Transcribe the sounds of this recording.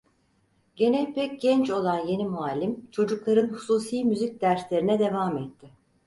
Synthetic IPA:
ɟe̞nɛlʲpʰɛc̚ɟɛnt͡ʃo̞lˠanje̞nimualʲːimt͡ʃʰo̞d͡ʒuklˠaɾɯnhusuːsiːmyzic̚d̪æɾslʲe̞ɾinɛd̪e̞vaːmɛt̪ʰːɪ

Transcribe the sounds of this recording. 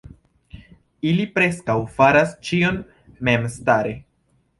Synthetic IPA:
ilipɾe̞skawfaɾast͡ʃio̞n | me̞mstaɾe̞

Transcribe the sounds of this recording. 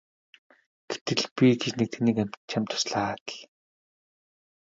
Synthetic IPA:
ɡ̥et̪ɘ̆ɮpʲiɡet͡ɕnek̚t̪ʰĕniːkæmt͡ɕʰamʲt̪ʰʊ̥sɮaːt̪ə̆ɮ

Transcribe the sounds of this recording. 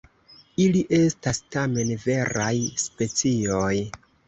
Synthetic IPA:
iliʔe̞stastame̞nve̞ɾʔajspe̞t͡sioj

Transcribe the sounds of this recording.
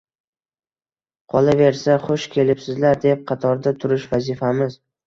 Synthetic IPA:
qʰɒlˠave̞ɾsaχʊʃkʲʰe̞lɪpsɪzlaɾd̪e̞p̚qʰɑt̪ʰɒɾd̪at̪ʰʊɾɪʃvazɪfamɪz̥

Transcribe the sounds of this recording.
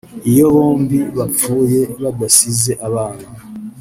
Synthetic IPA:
ijo̞βoːmbiβafuːje̞βaɡasizeʔaβaːna

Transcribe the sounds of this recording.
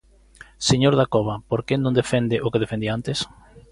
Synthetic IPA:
seɲoɾðakoβapoɾkenõnd̪efend̪ɪʔokeð̞efend̪iant̪es

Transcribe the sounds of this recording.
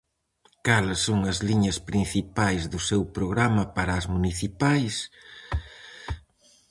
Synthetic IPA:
kalɐsːoŋɐzliɲɐspɾin̟θipajzðʊsewpɾoɣɾamɐpaɾɐːzmuniθipajs

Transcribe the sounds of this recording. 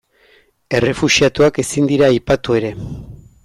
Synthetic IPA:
e̞re̞fusiat̪uake̞sind̪iɾaːjpat̪ue̞ɾe̞

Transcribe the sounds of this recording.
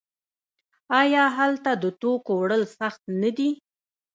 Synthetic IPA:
ɑjɑɦalt̪ad̪ət̪okowɽəlsaxt̪nad̪i

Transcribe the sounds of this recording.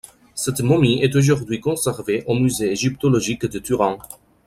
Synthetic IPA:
sɛt̪mɔmiɛt̪̬oʒuʁd̪ɥikɔ̃sɛʁveʔomyzeːʒipt̪olɔʒikd̪ət̪yʁɑ̃

